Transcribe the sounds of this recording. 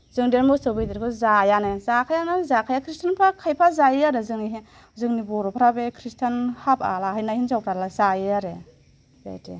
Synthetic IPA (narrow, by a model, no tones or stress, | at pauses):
zɯŋdeɾmɔsɔbijdeɾkʰɯzajanezakʰajanɯzakʰajakʰɾistʰanpʰakʰajpʰazajiaɾɯzɯŋiɦi | zɯŋnibɔɾɔpʰaɾabekʰɾistʰanhapʰa̰laɦajnahinzawpʰɾalazajiaɾe | za̰jtʰḛ